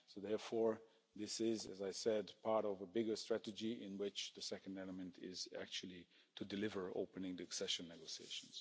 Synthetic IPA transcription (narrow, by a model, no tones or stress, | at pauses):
soʊðɛɹfɔɹ | ðɪsɪzɨ̰zaɪsɛdpʰɑɹɾɔvəbɪɡə˞stɹ̥æɾɨd͡ʒiɪ̃nwɪt͡ʃðɨsɛkə̃n̩dɛlˠəmɨ̃ntʰɪ̰z̥æ̰k̚t͡ʃul̩ˠi | tʰɨdɨlɪvə˞o̰ʊpɨnɪ̃ŋðiɨksɛʃə̃nːɛɡoʊsiḛɪʃn̩z̥